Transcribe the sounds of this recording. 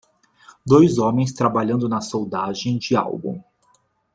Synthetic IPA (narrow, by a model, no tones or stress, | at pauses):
d̪ojzõmẽj̃st̪ɾabaʎɐ̃nd̪ʊnɐsowd̪aʒẽj̃d͡ʒɪa̰wbṵ̃